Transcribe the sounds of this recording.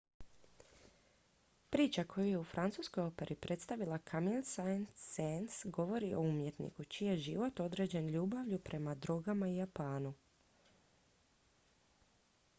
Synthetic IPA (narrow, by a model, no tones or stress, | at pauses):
pɾiːt͡ʃakʰo̞juje̞ufɾʔant̪suːsko̞jo̞pe̞ɾʔipɾʔe̞t̪st̪aʋilˠakʰamilˠsajnsensɡo̞ʋo̞ɾio̞̰umje̞t̪nḭkut͡ʃijeʒiʋo̞t̪o̞d̪ɾe̞d͡ʑe̞nʎuːbaʋʎupɾʔe̞mad̪ɾo̞ɡamaijapaːnu